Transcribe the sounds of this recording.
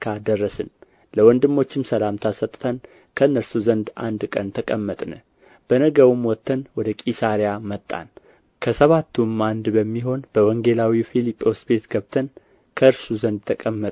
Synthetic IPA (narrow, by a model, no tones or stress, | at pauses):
kʰad̪ərːəsɨn | ləwɔnd̪ɨmːo̞t͡ʃːɪmsəlamt̪ʰasət̪ʼt̪ʰən | kʰəɨnːəɾsuzənd̪a̰nd̪kʼənt̪ʰəkʼəmːət̪ʼnə | b̥ənəɡəwɨmwɔt̪ʰːənwɔd̪əkʼisaɾijamət̪ʼːa̰n | kʰəsəβat̪ʰːumand̪bəmːiɦo̞nb̥əwɔŋɡelawifilipʼːo̞sbe̞t̪ɡəβt̪ʰən | kʰəɨɾsuzənd̪̚t̪ʰəkʼəmːət̪ʼ